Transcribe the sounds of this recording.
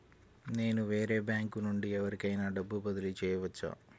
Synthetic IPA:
neːnuʋe̞ːɾe̞ːbjaːŋkunuɳɖiɐʋɐɾkɐjnɐɖɐbːubɐd̪ilit͡ʃeːjːuʋɐt͡ʃːa̰ː

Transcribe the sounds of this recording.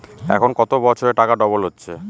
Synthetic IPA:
ɛ̰kʰonkɔt̪obɔt͡ɕʰoɾeʈakaɖɔbolɦotːɕʰe

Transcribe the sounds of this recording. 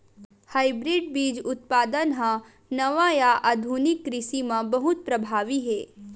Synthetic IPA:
haːɪbɾɪɖbiːd͡ʒʊt̪̚paːd̪ənɦã | nɐʋajaʔad̪ʱunɪkːɾɪsimãbɐɦʊt̪̚pɾɐbʱaːʋiɦɛː

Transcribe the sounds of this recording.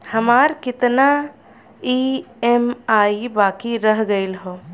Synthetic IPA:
həmaːɾkɪt̪na | iemaːibaːkiɾəɦɡəɪlɦoː

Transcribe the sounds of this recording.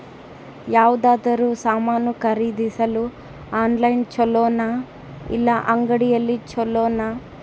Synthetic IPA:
jaːʋud̪aːd̪ɐɾuːsaːmaːnukɐɾiːd̪isɐlu | aːnlɐjnt͡ʃɔlɔːnɐ | ḭlːɐʔɐŋɡɐɽijɐlːit͡ʃɔlːɔːnɐ

